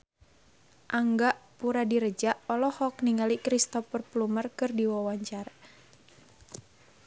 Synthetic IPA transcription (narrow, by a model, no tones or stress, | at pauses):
ʔaŋɡaʔpuɾadiɾəd͡ʒaʔɔlɔhɔk̚niŋalikɾist̪ɔfərplumərkɨrdiwɔwaɲt͡ʃar